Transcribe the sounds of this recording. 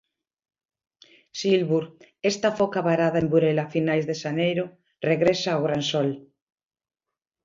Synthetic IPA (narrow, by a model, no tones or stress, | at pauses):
silβuɾ | est̪afokaβaɾaðaembuɾelafinajzðeʃanejɾo | reɣɾesaːwɣɾansol